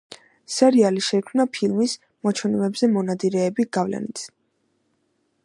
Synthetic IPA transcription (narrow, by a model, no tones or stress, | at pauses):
sɛɾialiʃɛikʰmnapʰilmis | mɔt͡ʃʰwɛnɛmɛbzɛmɔnad̪iɾɛːbiɡ̥avlɛ̰nit̪s